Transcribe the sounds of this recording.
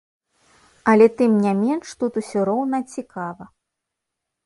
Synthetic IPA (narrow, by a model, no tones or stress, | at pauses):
ɐlʲɛt̪ɨmnʲamʲɛnʂt̪ut̪usʲɔɾɔwnɐt͡sʲikavɐ